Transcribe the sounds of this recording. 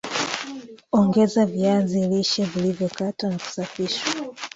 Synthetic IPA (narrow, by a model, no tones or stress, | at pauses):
ɔŋɡɛzaviaziːliʃɛvilivjɔkatanaku̥safiʃwa